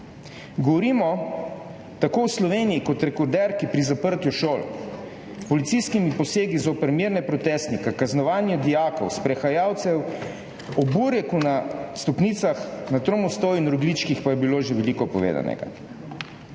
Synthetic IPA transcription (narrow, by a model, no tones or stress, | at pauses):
ɡɔʋɔɾiːmɔ | t̪akoːwslɔʋeːnijikɔt̪ɾɛkɔɾd̪ɛɾkipɾizapəɾt̪jɔʃoːlɔ̰ | pɔlit̪siskimipɔseːɡizopɛɾmiɾnɛpɾɔt̪ɛːst̪nikakaznɔʋaːnjɛd̪ijaːkɔ̰wspɾɛxajaːwt̪sɛw | ɔbuːɾɛkunast̪ɔpniːt̪saxnat̪ɾomust̪owinɾɔɡlit͡ʃkixpajɛbiloːʒeʋɛlikɔpɔ̰ʋḛːd̪a̰nɛ̰ɡa̰